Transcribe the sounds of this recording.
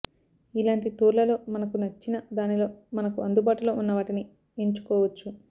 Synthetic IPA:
ilaːɳʈiʈuːɾlɐlo̞ːmɐnɐkunɐt͡ʃːinɐd̪aːnilo̞ːmɐnɐkuɐnd̪ubaːʈulo̞ːunːɐʋaːʈini | eɲt͡ʃu̥kɔːʋɐt͡ʃːu

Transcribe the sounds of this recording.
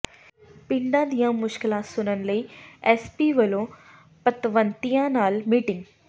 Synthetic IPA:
pɪ̃ɳɖãːd̪ijãmʊʃkɪlaːsʊnənɪ̆ləiɛːspiʋɐlõ | pɐt̪ʋənt̪ijãnaːlmiːʈɪ̃ŋɡ

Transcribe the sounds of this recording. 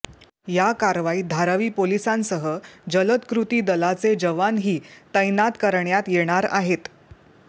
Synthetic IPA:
jakaɾʋaiːd̪ʱaɾaʋiːpolisãnsəɦəd͡ʑələt̪kɾut̪iːd̪əlat͡sed͡ʑəʋanɦiːt̪əjnat̪kəɾɳjat̪jeɽ̃aɾa̰ɦet̪

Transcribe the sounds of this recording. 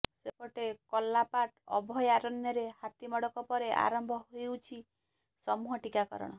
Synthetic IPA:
sekɔʈekɔlːapaʈɔbʱɔjaɾɔnːjɔɾehat̪imɔɽɔkɔpɔɾeʔa̰ɾɔmbʱɔɦojewt͡ʃʰi | sɔmuɦɔʈikakɔ̰ɾɔ̰ɽ̃ɔ

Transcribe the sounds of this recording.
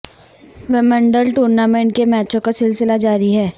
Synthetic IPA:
ʋɛmə̃ɳɖəlʈuːɾnamẽːɳʈ̚kemɛːt͡ʃõkasɪlsɪlad͡ʒaːɾiɦɛː

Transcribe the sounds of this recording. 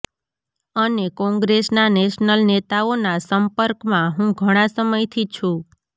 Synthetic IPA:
ənekɔ̃ŋɡɾesnaneʃnəlnet̪aonasəmpəɾkmãɦũɡʱəɽ̃ãsəməjt̪ʰit͡ʃʰũ

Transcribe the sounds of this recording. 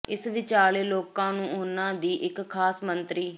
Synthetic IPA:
ɪsʋɪt͡ʃaːleːloːkãːnũːoːnãːd̪iːʔɪkʰːaːsmənt̪ɾiː

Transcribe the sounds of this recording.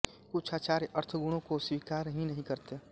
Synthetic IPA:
kʊt͡ʃʰaːt͡ʃaːɾʔɐɾt̪ʰɡʊɽ̃õkoswiːkaːɾəɦĩnɐɦĩkɐɾt̪e

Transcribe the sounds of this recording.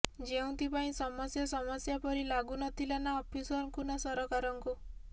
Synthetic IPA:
d͡ʒeũnt̪ipaĩsɔmɔsjɔsɔmɔsjapɔɾilaɡunɔt̪ʰilanaɔpʰisɔnkunɔsɔɾɔkaɾɔŋku

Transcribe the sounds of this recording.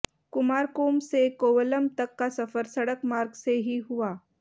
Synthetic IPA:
kʊmaːɾkoːmsekoːʋələmt̪ɐkːasɐfəɾsɐɽəkmaːɾɡseɦiɦʊaː

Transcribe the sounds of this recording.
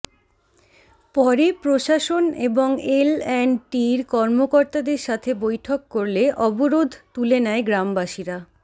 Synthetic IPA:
pɔɾepɾoʃaʃoneboŋelɛnʈiɾkɔɾmokoɾt̪ad̪eɾʃat̪ʰebojʈʰokːoɾleʔɔboɾod̪ʱt̪ulenɛeɡɾambaʃiɾa

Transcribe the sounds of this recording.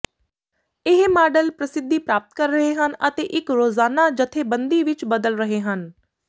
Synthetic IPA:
ɪɦmaːɖəlpɾəsɪd̪ːiːpɾaːp̚ət̪̚kəɾːəɦeːɦənət̪eːʔɪkɾoːzaːnaːd͡ʒət̪ʰːeːbənd̪iːʋɪt͡ʃbəd̪əlɾəɦeːɦən

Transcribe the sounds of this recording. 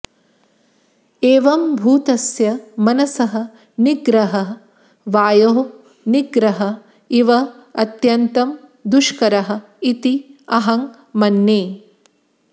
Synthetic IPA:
eːʋɐmbʱuːt̪ɐsjɐmɐnɐsɐɦɐ | niɡɾɐɦɐ | ʋaːjoː | niɡɾɐɦɐ | iʋɐɐt̪jɐnt̪ɐmd̪uʃkɐɾɐɦɐ̆ | it̪iɐɦɐŋ | mɐnːeː

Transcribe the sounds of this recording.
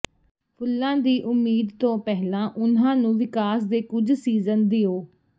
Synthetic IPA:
pʰʊlːãːd̪iːʔʊmːiːd̪t̪õːpɛɦlãːʔʊnãːnũːʋɪkaːs̬d̪eːkʊd͡ʒsiːzənd̪ɪoː

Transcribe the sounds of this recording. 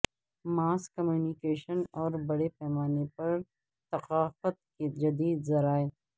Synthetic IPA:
maːskɐmjuːnikeːʃənɔːɾbɐɽepɛːmaːnepɐɾ | t̪ɐqaːfət̪̚ked͡ʒɐd̪iːd̪zɐɾaːeː

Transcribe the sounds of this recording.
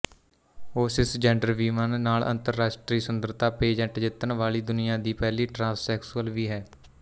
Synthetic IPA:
oːsɪsd͡ʒɛ̃ːɳɖəɾʋiːmənːaːlʔə̰̃nt̪əɾːaːʃʈɾiːsʊnd̪əɾt̪aːpeːd͡ʒə̃ʈd͡ʒɪt̪ənʋaːliːd̪ʊnɪjãːd̪iːpɛːliːʈɾãːsːɛːksuəlʋiːɦɛː

